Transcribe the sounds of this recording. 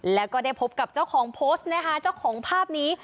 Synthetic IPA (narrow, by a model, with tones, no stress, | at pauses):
lɛː˦˥wkɔː˥˩da˥˩jpʰo˦˥p̚ka˨˩p̚t͡ɕa˥˩wkʰɔː˩˦ŋpʰoː˦˥st̪̚na˦˥kʰa˦˥t͡ɕa˥˩wkʰɔː˩˦ŋpʰaː˥˩p̚niː˦˥